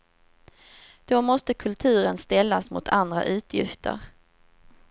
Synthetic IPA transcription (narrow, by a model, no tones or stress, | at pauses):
d̪̥omɔst̪əkʰɵlt̪ʰʉ̟ːɾənst̪ɛlːasmʊ̰t̪ʰand̪ɾa̰ʔʉ̟ːt̪ʰjɪ̰ft̪ʰə̰ɾ